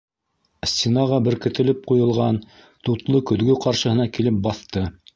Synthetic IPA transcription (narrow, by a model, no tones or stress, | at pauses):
sʲt̪ʲinɑʁɑbɘ̆ɾkɘ̆t̪ɘ̆lɘp̚qujɤ̆lˠʁɑn | t̪ut̪lˠɤkɵ̆ðɡɵqɑɾʃɤ̆hɤ̆nɑkilɘp̚bɑθt̪ɤ